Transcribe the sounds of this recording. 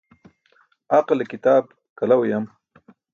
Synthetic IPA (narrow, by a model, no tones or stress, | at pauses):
aqlekɪt̪ɑːb | kalawjam